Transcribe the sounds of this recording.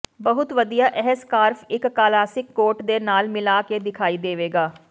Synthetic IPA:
bəɦʊt̪ʋəd̪ijaːʔɛɦɛskaːɾfʰɪkːaːlaːsɪkːoːɾʈd̪eːnaːlmɪlaːked̪ɪkʰaːiːd̪eːʋeːɡaː

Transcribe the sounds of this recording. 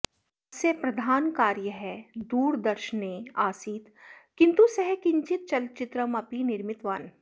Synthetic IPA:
sepɾɐd̪ʱaːnkaːɾjəɦɛd̪uːɾd̪ɐɾʃəneːaːsiːt̪kɪ̃nt̪usɛɦkɪɲt͡ʃɪt̪̚t͡ʃɐlt͡ʃɪt̪ɾəmɐpinɪɾmɪt̪ʋaːn

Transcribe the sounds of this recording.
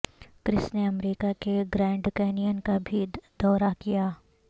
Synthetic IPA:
kɾɪsneɐmɾiːkakeɡɾɛ̃ːɳɖkɛːnijənkabʱiːd̪d̪̥ɔːɾakijaː

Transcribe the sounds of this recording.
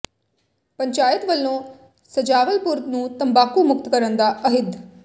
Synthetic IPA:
pəɲt͡ʃaːjət̪ʋəlːõː | səd͡ʒaːʋəlpʊɾnũːt̪əmbaːkũːmʊk̚t̪kəɾənd̪aːəɦɪd̪

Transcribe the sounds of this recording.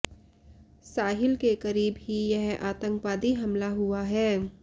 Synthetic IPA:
saːɦɪlkekɐɾiːbɦijɛɦaːt̪ə̃ŋkʋaːd̪iɦɐmlaɦʊaɦɛː

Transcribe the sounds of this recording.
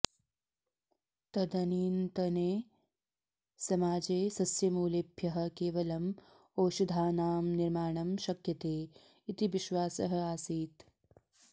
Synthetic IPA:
t̪ɐd̪ɐniːnt̪ɐneː | sɐmaːd͡ʒeːsɐsjɐmuːleːbʱjɐɦɐ̆keːʋɐlɐm | oːʃud̪ʱaːnaːmniɾmaːɳɐmʃɐkjɐt̪eː | it̪iʋiʃʋaːsɐɦɐaːsiːt̪

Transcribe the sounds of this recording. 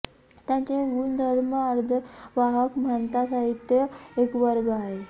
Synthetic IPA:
t̪jãt͡ɕeɡund̪ʱəɾməəɾd̪ʱəʋaɦəkm̤əɳt̪asaɦit̪ːjəekʋəɾɡaɦe

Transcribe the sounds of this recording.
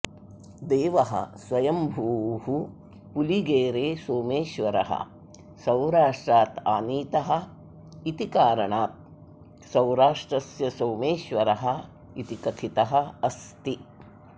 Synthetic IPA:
d̪eːʋɐɦɐ̰sʋɐjɐmbʱuːɦu | puliɡeːɾeːsoːmeːʃʋɐɾɐ̰ɦɐ̰ | sɐwɾaːʂʈɾaːt̪aːniːt̪ɐɦɐ̆ | it̪ikaːɾɐɳaːt̪̚ | sɐwɾaːʂʈɾɐsjɐsoːmeːʃʋɐɾɐɦɐ̆ | it̪ikɐt̪ʰit̪ɐɦɐ̆ɐst̪i

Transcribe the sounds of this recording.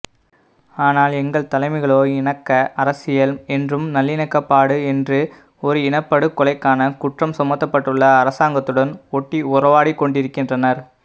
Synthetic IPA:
aːnaːlɛŋɡɐɭt̪ɐlɐɪmɪɣɐɭoːɪɳɐkːɐʔɐɾɐsɪjɐlɛndrɯmnɐlːɪnɐkːɐpːaːɽɯɛndrɯ | ɔɾɯɪɳɐpːɐɽɯkːɔlɐɪkːaːnɐkʊʈrɐmsɐmːɐt̪ːɐpːɐʈːɯɭːɐːɾɐsaːŋɡɐt̪ːɯɽɐnɔʈːiʊɾɐʋaːɽikːɔɳɖɪɾɯkːɪndrɐnɐɾ

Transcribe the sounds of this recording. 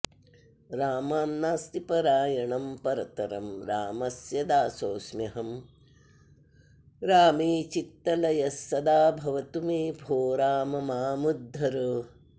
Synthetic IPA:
ɾaːmaːnːaːst̪ipɐɾaːjɐɳɐmpɐɾɐt̪ɐɾɐ̰mɾaːmɐsjɐd̪aːsoːsmjɐɦɐm | ɾaːmiːt͡ʃit̪ːɐlɐjɐsːɐd̪aːbʱɐʋɐt̪umeːbʱoːɾaːmɐmaːmud̪ʱːɐɾo

